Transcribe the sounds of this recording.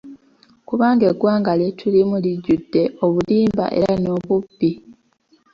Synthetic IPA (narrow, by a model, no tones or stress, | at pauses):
kuβaːŋɡeɡwaːŋɡaletʰulimuliɟːudːe̞o̞βuliːmba̰ʔe̞̰ɾano̞ːβubːi